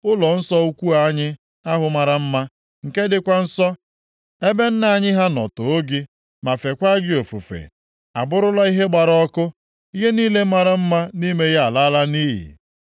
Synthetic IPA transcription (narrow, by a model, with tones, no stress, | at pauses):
ʊ˦lɔ˨n̩˦sɔ˦u˦kʷu˦a˦ɲɪ˦ | a˦ɦʊ˨ma˨ɾa˨m̩˦ma˦ | ŋ̩˨ke˦dɪ˦kʷa˦n̩˦sɔ˦ | e˦be˦n̩˦na˨ɲɪ˦ɦa˦nɔ̰˨tʊ˨o˦ɡi˦ | ma˨fe˨kʷa˦ɡɪ˦o˨fṵ˨fḛ˨ | a̰˨bʊ˦ɾʊ˦la˦i˦ɦe˦ɡ͡ba˨ɾɔ˦kʊ˦ | i˦ɦe˦niː˦le˦ma˨ɾa˦m̩˦ma˦ni˦me˦ɣa˦a˨la˦la˦niː˦ɦḭ˨